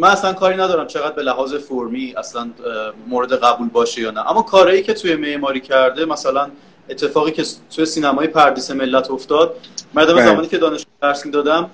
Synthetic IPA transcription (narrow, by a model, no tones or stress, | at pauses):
mænæslænkʰɒːɾinæd̪ɒːɾæmt͡ʃʰe̞ɣæd̪̚be̞læɦɒːze̞foɾmiːæslænmoɾe̞d̪eɣæbuːlbɒːʃejɒːnæʔæ̰mːɒːkʰɒːɾɒːjiːcʰe̞t̪ʰuje̞me̞ʔmɒːɾiːcʰæɾd̪e̞mæsælæn | et̪ʰːe̞fɒːɣiːcʰe̞t̪ʰuje̞siːnæmɒːjepʰæɾd̪iːse̞me̞lːæt̪ʰoft̪ɒːd̪̥̚mæɾd̪omezæmɒːniːcʰe̞d̪ɒːneʃd̪æɾsmiːd̪ɒːd̪æm